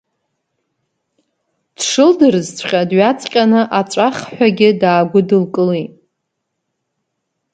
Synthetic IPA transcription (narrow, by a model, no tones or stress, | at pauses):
d̥ʂɨldɨrzt͡sʷʰχʲadɥat͡sʼqʲʼanɨʔat͡ʃʷʼaχħʷᶣaɡʲɪdaːɡʷʊdɨlkʼɨlitʼ